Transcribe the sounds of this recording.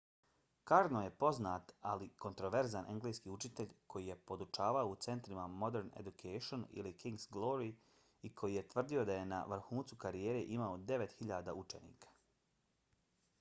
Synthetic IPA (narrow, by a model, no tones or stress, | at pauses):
kaɾnoje̞po̞znaːt̪aliko̞nt̪ɾo̞ʋeɾzanʔeŋɡleskiːut͡ʃit̪e̞ʎʲkʰo̞jije̞po̞d̪ut͡ʃaːʋaout̪se̞nt̪ɾimamo̞d̪e̞ɾnḛd̪ukʰeʃonḭlikiŋɡzɡlˠo̞ɾi | ikʰo̞jije̞t̪ʋr̩d̪io̞d̪aje̞na̰ʋɾxuːnt̪sukaɾijeːɾe̞ʔimaod̪e̞ʋe̞t̪xiʎaːd̪aːut͡ʃe̞nḭːkʰḁ